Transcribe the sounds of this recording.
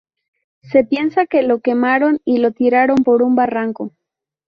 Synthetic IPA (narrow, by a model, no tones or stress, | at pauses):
se̞pje̞nsake̞lo̞ke̞maɾo̞nilo̞t̪iɾaɾo̞mpo̞ɾumbaraŋko